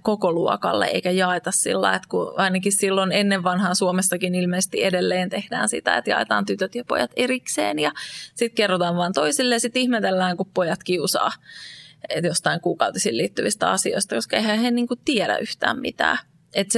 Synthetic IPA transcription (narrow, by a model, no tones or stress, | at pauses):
kokoluo̰kɑ̰lːḛʔḛikæjɑet̪ɑssḭlːɑ̰iet̪kuɑinɑkissilːonenːeʋːɑnhɑːnsuomesːɑkinilmeːse̥st̪iedelːeːnt̪ehd̥æ̰ːnsḭt̪æ̰ḛt̪jɑ̰et̪ɑ̰ːnt̪yt̪øt̪jɑpo̰jɑt̪eriksḛːnjɑsit̪kerːot̪ɑːʋʋɑːnt̪oisilːejɑsit̪ihmet̪elːæːŋkuppojɑt̪kiusɑ̰ː | jost̪ɑiŋkuːkɑwt̪isiːliːt̪ːyʋist̪æ̰ɑsio̰ist̪ɑkoskɑehæhenniːŋkutt̪iɛɾæ̰ʔyht̪æ̰ːmmḭt̪æ̰ː | et̪s